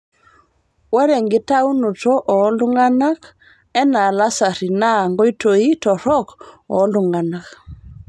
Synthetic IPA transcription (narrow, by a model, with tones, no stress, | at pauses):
wɛ˦ɾɛ˨ŋɡi˦ta˦u˦nu˨tɔ˦ʔɔ˨˦lu˦ŋɡa˦na˦k | ɛ˦na˨la˦sa˨ɾi˨na˦ŋɡɔ˦i˦to˨i˦tɔ˨ɾɔkɔ˨˦lu˨ŋɡa˨na˨k